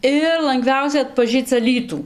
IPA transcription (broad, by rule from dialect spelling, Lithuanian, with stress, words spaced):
ˈɪr lˠɐŋˈɡʋʲɛʊsʲɛ ɐtpɐˈʒʲiːt͡s ɐˈlʲiːtuː